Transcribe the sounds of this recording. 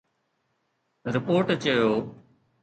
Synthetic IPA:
ɾɪpoːɾʈt͡ɕəjoː

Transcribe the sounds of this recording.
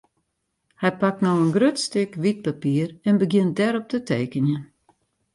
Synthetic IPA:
hɛjpak̚tnowənɡrøtstɪkʋit̚papiərɛnbəɡjɪnt̚dɛɾɔp̚tətʰeːkənjən

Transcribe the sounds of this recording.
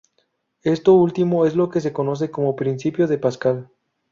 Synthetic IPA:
e̞st̪o̞ult̪imo̞e̞zlo̞kes̬e̞ko̞no̞s̬e̞ko̞mo̞pɾinsipjo̞ðe̞paskal

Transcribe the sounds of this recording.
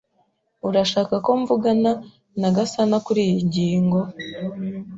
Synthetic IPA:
uɾaʃaːkako̞ɱvuɡana | naɡasanakuɾiːjiɲɟiːŋɡo̞

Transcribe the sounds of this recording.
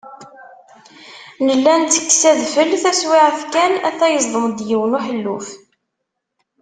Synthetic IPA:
nəlːænt̪ːə̥kːsæðfəlθæswiʕəfkænæθæjəzˤðˤəmd̪jiwənuħəlːuf

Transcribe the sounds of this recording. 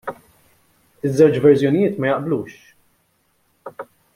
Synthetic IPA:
ɪzːɛwt͡ʃvɛɾzjɔnɪjɪːt̪mɐjɐʔbluːʃ

